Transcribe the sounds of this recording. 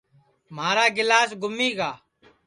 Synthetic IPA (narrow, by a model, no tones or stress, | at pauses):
m̤aːɾaːɡɪlaːsɡʱʊmiːɡaː